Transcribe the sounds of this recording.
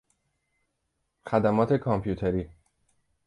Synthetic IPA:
xæd̪æmɒːt̪ʰekʰɒmpʰjuːt̪ʰeɾiː

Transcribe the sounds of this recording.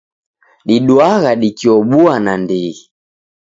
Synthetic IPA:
ɗiɗwaɣaɗikiɔɓuanandiɣi

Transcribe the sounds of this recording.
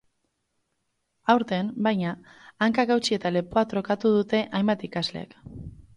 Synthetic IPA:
awɾt̪e̞nbajɲaːŋkaɣawt͡ʃie̞t̪ale̞poat̪ɾo̞kat̪uð̞ut̪e̞ʔajmbat̪ikazlḛḛk

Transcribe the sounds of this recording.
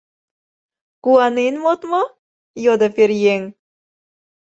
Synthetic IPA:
kuɑnenmot̪mo | jod̪opeɾjeŋ

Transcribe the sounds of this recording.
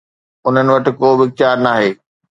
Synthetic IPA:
ʊn̤ənɪ̆ʋɐʈɪ̆koːbɪɪk̚t̪jaːɾnaːɦeː

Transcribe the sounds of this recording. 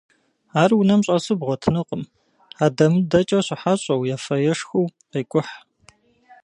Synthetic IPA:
aːrwʊnɐmɕʼɐsɨbʁʷɔtʰɨnɨqʼəm | aːdɐmɨdɐt͡ʃʼɐɕɪħaɕʼɐwjafɐjɛʂxuwqiːkʷʼʊħ

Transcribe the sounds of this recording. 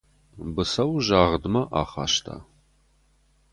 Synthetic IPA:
bɨsɐwʒaːʁədɨmɐʔaːχa̰ːʃtʰa̰ː

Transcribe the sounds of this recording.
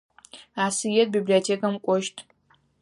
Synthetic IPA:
aːsɨjɛt̚bibliotʰekʰɐmkʷʼɔʃtʼ

